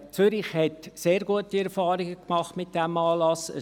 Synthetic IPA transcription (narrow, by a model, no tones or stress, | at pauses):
t͡sʏɾɪχhɛtseːɾɡuətiɛɾfɑːɾɪɡəkmɑχtmɪt̚d̥ɛmɑːlɑsə